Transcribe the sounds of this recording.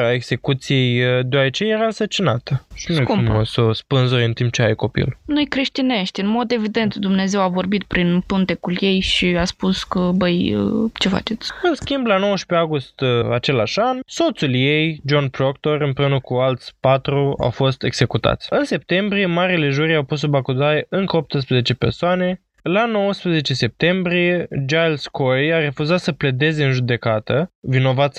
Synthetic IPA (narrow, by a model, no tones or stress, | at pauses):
aeɡze̞kut̪sije̞jd̪eoaɾət͡ʃejeɾaɨnsərt͡ʃinat̪əʃinueuuməsospɨnzuɾeɨnt̪imp̚t͡ʃeajko̞pḭlnujkɾe̞ʃt̪ine̞ʃt̪ʲɨnmo̞d̪e̞vid̪e̞nt̪d̪umne̞ze̞wavo̞rbit̪pɾinpunt̪e̞kulje̞jʃiaspuskəbəjə̰t͡ʃe̞fa̰t͡ʃe̞t̪sʲɨnskʲimblano̞wəʃpeaɡust̪at͡ʃe̞laʃanso̞t̪sulje̞jd͡ʒo̞npɾokt̪o̞rɨmpɾeunəkualt̪sʲpat̪ɾua̰wfo̞st̪e̞̰ɡz̥e̞kut̪a̰t̪sʲɨnse̞p̚t̪e̞mbɾije̞maɾile̞ʒuɾiawpus̬ːubakud̪ajeɨŋkəo̞p̚t̪ɨs̬pɾəzet͡ʃe̞pe̞rsoane̞ | lano̞wəspɾəze̞t͡ʃe̞se̞p̚t̪e̞mbɾije̞d͡ʒalskojaɾe̞fuzat̪səpled̪e̞ze̞ɨnʒud̪e̞kat̪əvino̞vat̪sʲ